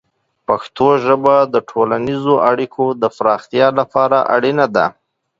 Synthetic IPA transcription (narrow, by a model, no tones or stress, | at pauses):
paxt̪oʒəbad̪əʈʰolanizoʔaɽikʰod̪əfɾɑxt̪jɑlapɑɾaʔa̰ɽinad̪a̰